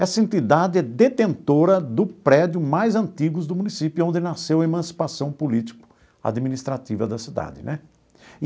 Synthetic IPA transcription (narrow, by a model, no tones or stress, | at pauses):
ɛsɐẽnt̪id̪ad̪ɪɛd̪et̪ẽnt̪oɾɐd̪ʊpɾɛd͡ʒjʊmajzɐ̃nt̪iɡʊzd̪ʊmũnisipjʊõnd̪ɪnasewɐemɐ̃si̥pasɐ̃w̃pulit͡ʃ̪i̥kʊ̥ | a̰d̪mĩnist̪ɾat̪ivɐd̪ɐsid̪a̰d̪ɪnɛ